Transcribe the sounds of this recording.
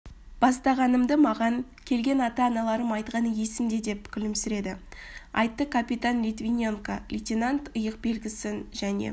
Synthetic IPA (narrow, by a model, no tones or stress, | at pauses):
b̥ɑst̪ɑʁɑnəmd̪əmɑʁɑŋ | kʲʰe̞lɡʲe̞nɑt̪ɑːnɑlˠɑɾəmɑjt̪qɑnəje̞sɪmd̪e̞d̪e̞pkʲʰʏlɪmsɪɾe̞d̪ɪɑ̰jt̪ːəkʰapʲit̪anlʲit̪vinʲeŋkalʲitʲinant̪əjəq̚be̞lɡʲɪsɪnʒænḛ